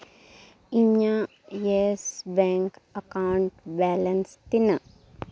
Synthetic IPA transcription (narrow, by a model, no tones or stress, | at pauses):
iɲa | jesbɛːŋkɐkawɳʈbɛːlɐnst̪inɐ